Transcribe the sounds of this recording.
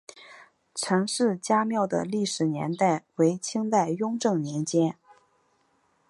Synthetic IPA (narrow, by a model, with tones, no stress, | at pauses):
ʈ͡ʂʰɤ˧˥ŋʂɻ̩˥˧t͡ɕja˥mjɑ˥˩ʊd̪ə̰˩li˥˩ʂɻ̩˨˩njɛ̰˧˥nt̪a˥˩ɪwe˧˥ɪt͡ɕʰi˥ŋt̪a˥˩ɪjʊ˥ŋʈ͡ʂɤ˥˩ŋnjɛ˧˥nt͡ɕjɛ˥n